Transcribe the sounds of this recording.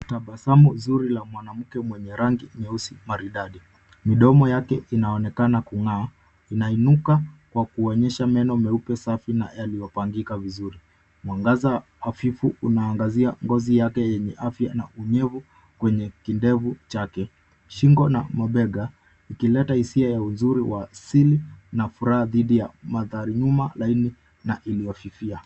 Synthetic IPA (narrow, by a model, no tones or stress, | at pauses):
taɓasamuzuɾilamwanam̩kɛmwɛɲɛɾaŋɡimɛusimaɾiɗaɗi | miɗɔmɔjakɛʔinaɔnɛkanakuŋaː | inainukakwakuɔɲɛʃamɛnɔmɛupɛsafina̰jalijɔpaŋɡikavizuɾi | mwaŋɡazaː | fifuunaːŋɡaziaŋɡɔzijakɛjɛɲɛʔafjana̰uɲɛvu | kwɛɲɛkindɛvut͡ʃakɛ | ʃiŋɡɔna̰maɓɛɠa | ikilɛtahisiajaunzuɾiwʔasilinafuɾahaðiɗija̰maðaɾiɲumalaini | naʔilijɔfifia